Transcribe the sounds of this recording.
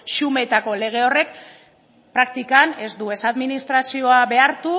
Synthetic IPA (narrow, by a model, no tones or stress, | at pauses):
ʃume̞t̪ako̞le̞ɣ̞e̞o̞re̞k | pɾakt̪ikane̞zd̪ue̞saðminist̪ɾasio̞aβe̞aɾt̪u